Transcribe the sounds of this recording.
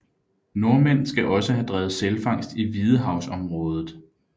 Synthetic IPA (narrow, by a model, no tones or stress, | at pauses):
no̝ɐmen̰sɡ̥æʔɒ̽səɦæd̥ʁɛːʊð̞̩ˠselfɑ̈ŋ̰sd̥iʋið̞ˠəɦɑ̈ʊsɒ̽mʁɔ̽ːð̞ˠð̩ˠ